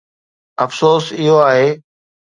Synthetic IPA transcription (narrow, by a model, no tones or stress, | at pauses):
ɐfsoːsɪɦoaːɦeː